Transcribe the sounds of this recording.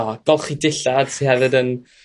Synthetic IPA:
ɔɡ̥ɔlˠχidɪɬad̥sʰihɛvɨdən

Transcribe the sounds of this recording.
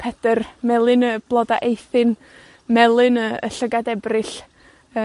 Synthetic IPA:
pʰɛd̥ərmɛlˠɨnəb̥lˠɔdaʔejθɨn | mɛlˠɨnəə̰ɬəɡadɛbrɨɬ | ə

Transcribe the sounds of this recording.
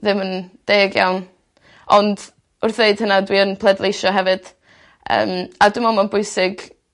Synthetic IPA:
ðɪmənd̥eːɡja̰wn | ɔnd | ʊrθeɨd̥hənadwiənpʰlˠɛdlˠejʃɔɦɛvɨd̥ | ə̰ːmadʊmamanbʊɨsɪɡ

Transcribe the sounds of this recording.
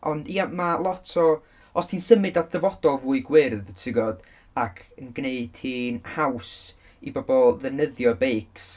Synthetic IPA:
ʔɔndiamalˠɔtʰɔ | ɔstʰinsəmɨdadəvɔd̥ɔlˠvuːɨɡwɪrðtʰɪɡɔd̥ | akʰənɡneɨd̥hiːnhaws | ibɔbɔlˠðənəðjɔbejks

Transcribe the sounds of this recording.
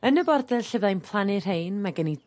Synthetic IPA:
ənəbɔrdɛlɬəvlajnpʰlˠanɪr̥ejnmaɡəni

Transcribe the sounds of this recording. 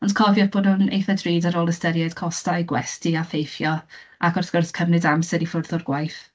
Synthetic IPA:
ɔnd̥kʰɔvjɔvb̥oːdhʊnḛjθadriːdaɾoːlˠəstɛɾjad̥kʰɔstajɡwɛ̰stiafejfjɔʔaɡɔrθɡ̥ərskʰəmnɨdamsɛɾifʊrðʊrɡwajθ

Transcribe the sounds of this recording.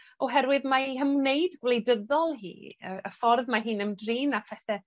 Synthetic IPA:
ɔɦɛɾwɨðmaihəmneɨdɡwlejdəðɔlˠɦḭːə̰əfɔrðmaɦɨːnəmdriːnapʰɛθɛ

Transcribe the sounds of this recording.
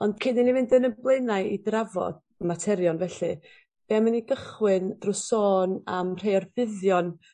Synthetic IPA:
ɔnd̥kʰɪninivɪndənəblˠejnaɨidravɔ̰d̥ | matʰɛɾjɔnvɛɬɨ | b̥ɛːaməniɡəχwɨnd̥rʊsoːnamr̥ejɔrvɪðjɔn

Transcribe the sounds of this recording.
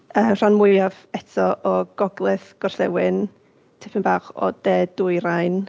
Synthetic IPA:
əːmr̥anmʊjav | ɛtʰɔʔɔɡ̥ɔɡlˠɪθɡ̥ɔrɬɛwɪn | tʰɪpʰənbaːχɔ̰d̥eːdʊɨɾajn

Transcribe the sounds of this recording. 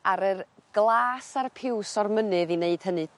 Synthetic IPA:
aɾərɡ̥lˠaːsarpʰɪwsɔrmənɨðineɨd̥hənɨ

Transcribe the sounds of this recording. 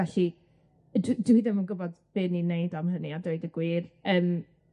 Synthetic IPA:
ɛɬi | ddidəmənɡʊbɔdb̥ɪninejdamɦəniadejdəɡwiːrəːm

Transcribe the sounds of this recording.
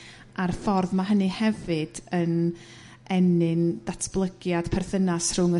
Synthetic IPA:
ʔarfɔrðmaɦənɨhɛvɨd̥ən | ɛnɪnd̥atʰb̥lˠəɡjad̥pʰɛrθənasr̥ʊŋə

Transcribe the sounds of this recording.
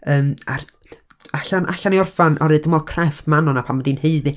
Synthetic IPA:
əːmar | aɬanʔa̰ɬaniɔrfanʔɔ̰ɾɨdəmɔkʰrɛftmanɔnapʰamədinheɨði

